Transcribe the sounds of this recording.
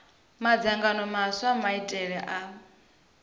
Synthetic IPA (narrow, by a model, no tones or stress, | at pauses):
mad͡zaŋɡanɔmaswamaitʼɛɺɛʔa